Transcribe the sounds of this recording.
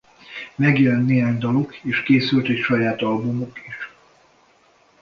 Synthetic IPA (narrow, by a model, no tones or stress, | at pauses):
mɛɡjɛlɛnt̪nːeːɦaːɲd̪ɒlokeːʃkeːsylt̪ɛcʃɒjaːt̪ɒlbumokiʃ